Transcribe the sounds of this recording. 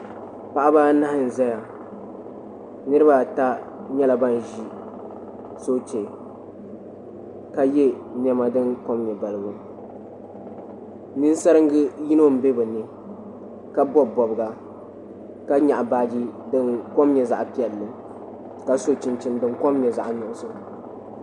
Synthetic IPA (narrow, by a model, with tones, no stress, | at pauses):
pa˨ʔa˦ba˦na˦hɪ˦˨n̩˨zɛ˦ja˨ | nɨ˦ɾɨ˦ba˨ta˦ | ɲɛ˦la˨ba˦n˨ʒi˦ | so˦t͡ʃe˨ | ka˦jɛ˦ | nɛ˦ma˨dɨ˦nko˦mɲɛ˨ba˨lɨ˨ɡʊ˨ | nɨ˦n˦sa˦ɾɨ˦ŋ˦ɡɨ˦ji˦no˦m̩˨˦be˦bɨ˨nɨ˨ | ka˦bɔ˦bɔ˨bɨ˨ɡa˨ | ka˦ɲa˨ʔbaː˨˦d͡ʒi˦dɨ˦nko˦mɲɛ˨za˨ʔpi˦ɛ˨lːɨ˨ | ka˨so˨t͡ʃɪ˨nt͡ʃɪ˨ndɨ˨ŋkɔ˦mɲɛ˨za˨ʔnʊ˨ʔʊ˦so˦